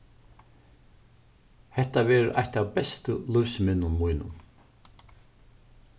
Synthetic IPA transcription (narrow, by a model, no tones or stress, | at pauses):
hɛht̪avɛːɾ̰ʔa̰jht̪avpɛst̪əlʊvsmɪnːʊnmujnʊ̰n